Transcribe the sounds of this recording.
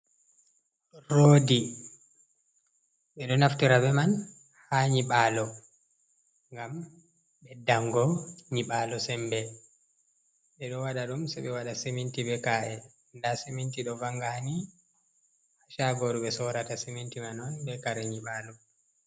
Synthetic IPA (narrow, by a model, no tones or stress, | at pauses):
ɾoːdi | ɓɛɗɔnaftiɾabɛman | haɲiɓaːlɔ | ŋɡam | ɓɛdaŋɡɔɲiɓaːlɔsɛmbɛ | ɓɛɗɔwaɗaɗumsɛɓɛwaɗasemintibɛkaʔɛ | ndasemintiɗɔvaŋɡani | aʃaɡɔɾuɓɛsɔɾatasemintimanɔnbɛkaɾɛɲiɓaːlɔ